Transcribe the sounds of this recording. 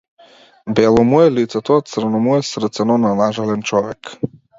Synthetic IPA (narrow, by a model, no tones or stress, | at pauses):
bɛlˠɔmuɛlit̪sɛt̪ɔt̪sər̩nɔmuɛsɾr̩t̪sɛnɔnanaʒalʲɛnt͡ʃɔʋɛk